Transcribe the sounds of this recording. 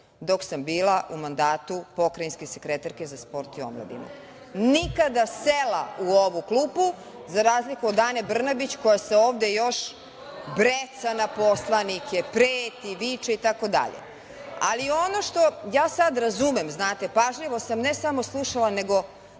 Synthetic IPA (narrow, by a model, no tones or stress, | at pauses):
d̪o̞ksambiːlˠaʔumand̪aːt̪upo̞kɾajinske̞sekɾet̪aɾkezaspo̞ɾt̪io̰mlˠa̰d̪ḭma̰ | nikad̪aselauoʋukluːpu | zaɾaːzlikuod̪aːnebr̩nabit͡ɕko̞jaseoːʋd̪ejo̞ʃ | bɾet̪sanaposlˠanikepɾeːt̪iʋit͡ʃait̪ako̞d̪a̰ʎḛ | a̰lio̞no̞ʃt̪o̞jaːsad̪ɾazumemznaːt̪epaʒʎiʋo̞samne̞samo̞slˠuʃalane̞ɡo̞